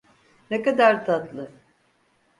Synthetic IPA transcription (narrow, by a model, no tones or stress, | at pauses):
nekad̪aɾt̪ʰat̪lˠɯ